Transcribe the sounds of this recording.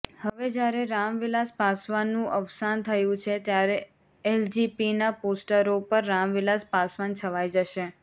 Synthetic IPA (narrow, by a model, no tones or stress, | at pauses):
həʋed͡ʒjaɾeɾamʋɪlaspasʋanũʔəʋsant̪ʰəjũt͡ʃʰet̪jaɾe | eld͡ʒipinaposʈəɾopəɾːamʋɪlaspasʋant͡ʃʰəʋajd͡ʒəʃe